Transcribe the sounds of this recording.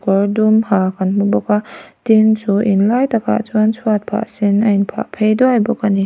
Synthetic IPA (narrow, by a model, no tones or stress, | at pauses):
kɔɾdumhakʰanmubɔkatinsuinlajtakʰa̰t͡ʃuansʰuat̚pʰa̰ʔsinajnpʰa̰pʰejdɔhajbɔkani